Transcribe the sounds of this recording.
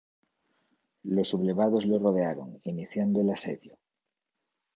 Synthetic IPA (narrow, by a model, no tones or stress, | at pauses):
lo̞suβle̞β̞að̞o̞zloroð̞eaɾoŋiniθjand̪oelasḛðjo